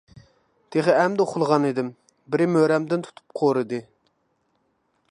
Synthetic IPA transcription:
d̪̥eχəɛmd̪ɛχʊlˠʁɑnid̪ɪm | bɪɾɪmøɾɛmd̪ɪnt̪ʰu̥t̪ʰu̥p̚qʰoɾɨd̪ɨ

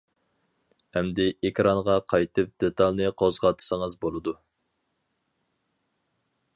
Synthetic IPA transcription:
hɛmd̪ɪekʰʲɾɑnʁɑqʰɑjt̪ʰɨp̚d̪et̪ʰɑlˠnɨqʰozʁɑt̪ʰɨ̥səŋəzbolˠɨd̪u

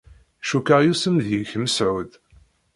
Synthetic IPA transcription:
ʃukəʁjusəmðjəçməsʕuð

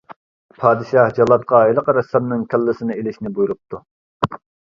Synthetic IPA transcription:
pʰɑːd̪ɨʃɑhd͡ʒɑlˠːɑt̪̚qɑeləqəɾɛsɑmnɨŋkʲʰælːɪsɪnɪelɪʃnɪbujuɾup̚t̪ʰu

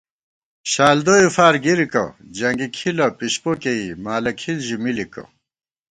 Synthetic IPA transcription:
ɕaːld̪ojufaːɾɡiɾikɐ̰d͡ʑɐŋɡikʰilɐpiɕpokeimaːlɐkʰilʑumilikɐ̰

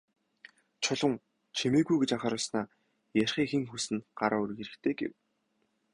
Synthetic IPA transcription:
t͡ɕʰʊɮə̆ŋ | t͡ɕʰemeːɣujɡet͡ɕaχaːɾə̆ɮsnaː | jærʲχiːŋxĕŋxusɘ̆nɢ̥aɾaːur̆ɣeɾɘ̆kt̪ʰeːɡḛw

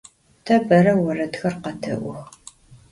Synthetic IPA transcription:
tʰɐbɐɾɐwɐrɐtxɐrqɐtʰɨ̰ʔʷʊx

